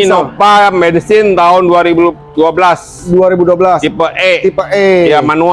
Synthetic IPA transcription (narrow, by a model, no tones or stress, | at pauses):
nɔpamɛdsɪnt̪aɦʊnduaɾibuduabəlas | duaɾibuduabəlasipəʔɛipəejamanu